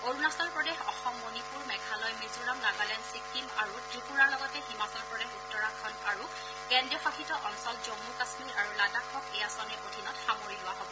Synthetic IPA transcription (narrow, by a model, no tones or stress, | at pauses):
oɹunasɔnpɹɔdexɔxɔmːonipuɹmɛɡʱalɔjmizuɹamlaɡalɛnsikːimaɹuzupunaɹlɔɡɔtɛhimasɔlpɹɔdexutːɔɹaŋkʰɔnaɹu | kɛndɔfakʰitɔʔɔnsɔlzomːukasmilaɹuladakʰɔkɛjasɔnɛodʱinɔtxamoɹilʊwaɦobɔ